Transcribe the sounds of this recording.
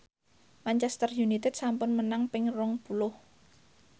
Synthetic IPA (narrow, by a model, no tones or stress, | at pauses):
mant͡ʃɛst̪ərjunit̪ɛd̪̥sampʊnmənaŋpɪŋrɔŋpulʊh